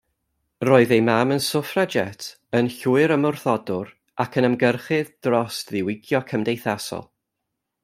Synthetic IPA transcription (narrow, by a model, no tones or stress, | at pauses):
roːɨðejmamənsʊfrɛd͡ʒɛtʰ | ənɬuːɨɾəmʊrθɔdʊɾ | akʰənəmɡərχɨðd̥rɔsðɪwɪɡjɔkʰəmdejθasɔ̰lˠ